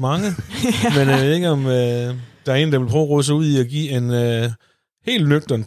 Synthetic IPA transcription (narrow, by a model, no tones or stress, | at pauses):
mɑ̈ŋəmenʋe̝ð̩ˠe̝ɡ̥əɒ̽mød̥ɑ̈æɐe̝̰ːn̩d̥ɑʋe̝lpʰʁœʊɐʁɔðˠs̬əuð̰ˠiɒɡ̥ḭːe̝nø | he̝̰ːlnøɡ̥̚d̥ɐn